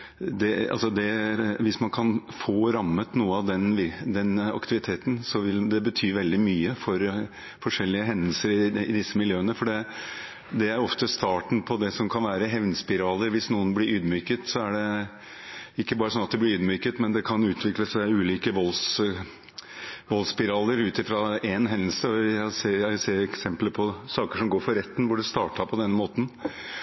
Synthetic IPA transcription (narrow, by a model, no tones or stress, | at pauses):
d̪ɛɑ̰lsɔd̪ɛɾʋɪsmɑnkʰɑnfoːɾɑmːət̪nuːəɑʋd̪ɛnʋɪd̪ɛnɑ̰kt̪ɪʋɪt̪ʰeːt̪nsɔʋɪld̪ɛbət̪ʰyːʋɛld̪ɪmyːəfɔɾ | fɔʂɛlːɪəɦɛnəlsəɾɪɪd̪ɪsːəmɪljøːənəfɔɖɛ | d̪ɛæɾɔft̪əst̪ɑːʈɳ̩pʰɔd̪ɛsɔmkʰɑnʋæːɾəɦɛʋnspɪɾɑːləɾʋɪsnuːənblɪɾyːd̪myːkət̪sɔæɖɛ | ɪkːəbɑːɾəsɔnɑt̪̚d̪ɛblɪɾyːd̪myːkət̪mɛnd̪ɛkʰɑnʉːt̪ʰʋɪkləsæɪʉːliːkəʋɔls | ʋɔlspɪɾɑːləɾʉːt̪ɪfɾɑɛnɦɛnːəl̩səɔjæseːjæseːɾɛksɛmpləpʰɔsɑːkəʂɔmɡoːɾfɔɾɛt̪ːn̩ʋʊɖɛst̪ɑːʈɑpʰɔd̪ɛnːəmoːt̪n̩